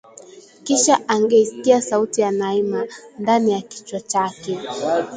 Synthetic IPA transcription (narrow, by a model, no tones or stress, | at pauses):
kiʃaʔaŋɡɛisi̥kiasautijanaimandanijaki̥t͡ʃwat͡ʃakɛ